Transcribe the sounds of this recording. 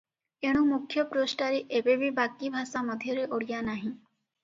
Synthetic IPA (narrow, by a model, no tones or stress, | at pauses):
eɽ̃ũmukʰjɔpɾosʈaɾeʔebebibakibʱasamɔd̪ʱjɔɾeʔoɽijanaɦĩ